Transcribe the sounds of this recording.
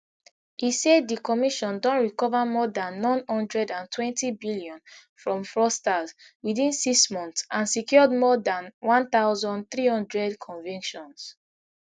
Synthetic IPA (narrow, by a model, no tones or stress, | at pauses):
iseddikɔmiʃɔ̃ndɔ̃ntɹikɔvamɔdãnːɔ̃nhɔ̃ndɹɛdãntʰwɛ̃ntibiliɔ̃n | fɹɔ̃mfɹɔstaz | wiðĩnsiksmɔ̃nθsãnsikjɔd̚mɔdãnwɔ̃nθaʊzɔ̃nd̚θɹihɔ̃ndɹɛdkʰɔ̃nvĩŋkʃɔ̃ns